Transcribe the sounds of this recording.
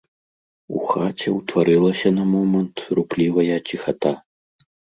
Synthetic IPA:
ṵxat͡sʲɛwt̪vaɾɨlˠɐsʲɐnɐmɔmɐnt̪ruplʲivɐjɐt͡sʲixat̪a

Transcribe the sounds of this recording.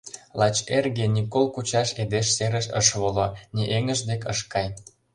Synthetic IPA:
lɑt͡ɕerɣenʲikolkut͡ɕɑʃed̪eʃseɾəʃə̰ʃβoloniʔeŋə̆ʒd̪ekəʃkɑj

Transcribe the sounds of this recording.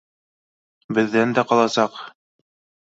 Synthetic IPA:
bɘ̆ðːænd̪æqɑlˠɑsɑq

